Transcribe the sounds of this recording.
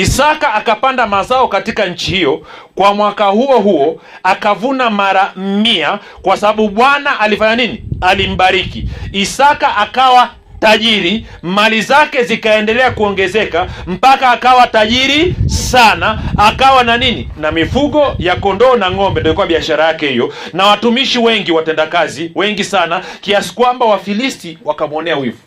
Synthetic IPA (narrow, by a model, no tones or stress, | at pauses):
isakaːkapandamazaɔkatikaɲ̩t͡ʃihijɔkwamwakahuɔɦuɔ | akavunamaɾamia | kwasaɓaɓuɓwanaʔalifaɲaninialim̩ɓaɾikiisakaʔakawa | taʄiɾi | malizakɛzikaɛndɛlɛakuɔŋɡɛzɛkam̩pakaːkawataʄiɾisanaːkawananininamifuɠɔjakɔndɔːnaŋɔmbɛndɔjikuwaɓiaʃaɾajakɛhijɔnawatumiʃiwɛŋɡiwatɛndakaziwɛŋɡisanakiasi̥kwambawafilistiwakamwɔnɛawivu